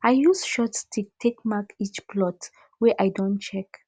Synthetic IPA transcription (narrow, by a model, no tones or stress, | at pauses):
ajjusʃɔtstʰutʰekmakit͡ʃplɔt | wɛʔajdɔ̃ntt͡ʃɛk